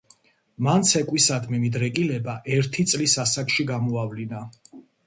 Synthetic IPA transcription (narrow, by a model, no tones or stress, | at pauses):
mant̪sʰɛkʼwisad̪mimid̪ɾɛkʼilɛbaʔɛɾt̪ʰit̪sʼlisasakʰʃiɡamɔavlina